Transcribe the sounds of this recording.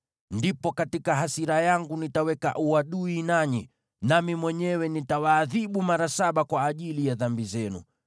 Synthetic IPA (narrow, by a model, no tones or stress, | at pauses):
ndipɔkatikaɦasiɾajaŋɡunitawɛka̰ʔuaɗuinaɲi | namimwɛɲɛwɛnitawaːðiɓumaɾasaɓakwaːʄilijaðambizɛnṵ